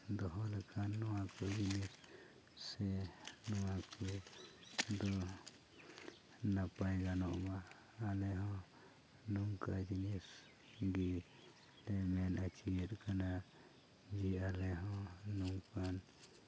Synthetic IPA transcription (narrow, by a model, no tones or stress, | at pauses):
d̪ɔɦɔlɛkʰanːɔwakɔd͡ʒinis | sɛnɔwaku | d̪ɔ | napajɡanɔʔma | alɛɦɔ̃ | nuŋkad͡ʒinis | ɡi | lɛmɛnat͡ʃiɛt̪kana | d͡ʒialɛɦɔ̃nuŋkan